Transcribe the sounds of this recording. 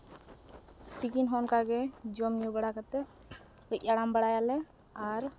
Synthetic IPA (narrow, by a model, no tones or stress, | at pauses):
t̪ikinɦɔnkaɡɛd͡ʒɔmjubɛɽakat̪ɛ | ɾɛc̚ˀaɽambaɽajalɛ | aɾ